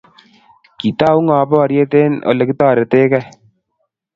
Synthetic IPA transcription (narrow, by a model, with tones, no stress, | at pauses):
ki˨taː˦u˦ŋaː˨˦bɔ˦ɔ˨ɾje˦te˦nɔ̰˨le˨ki˦taː˦˨ɾe˨te˦kɛ˦